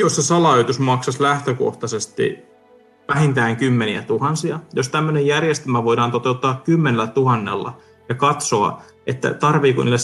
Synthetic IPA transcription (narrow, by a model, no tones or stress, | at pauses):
jossesɑlɑːjt̪usmɑksɑslæht̪øko̰ht̪ɑsest̪ḭ | ʋæɦint̪æːŋkymːeniæ̰t̪uhɑnsiɑjost̪æmːønejjærjest̪ymæʋojdɑːnt̪o̞t̪eut̪ːɑːkkːymːenelːæt̪uhɑnːḛlːɑ̰ | jɑkɑt̪soɑ̰ | et̪ːæ̰t̪ɑrʋiːkṵniːlːes